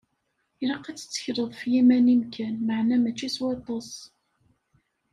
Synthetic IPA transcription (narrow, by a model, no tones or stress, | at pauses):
iɾɑqːæt͡sːə̥t͡sːə̥çɾəðˤfjimænimkænməʕnæmæt͡ʃːiswɑt̪ˤːɑs